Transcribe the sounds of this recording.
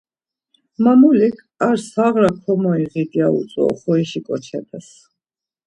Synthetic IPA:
mamulikʰaɾsaʁɾakʰɔmɔiʁid̪iaṵt̪sʼɔ̰χɔiʃikʼɔt͡ʃʰɛt̪ʰɛs

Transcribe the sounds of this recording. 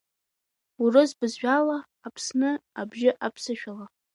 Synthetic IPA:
urɨzbɨzʒʷᶣalaː | pʰsnɨabʒɪʔapʰsɨʃᶣala

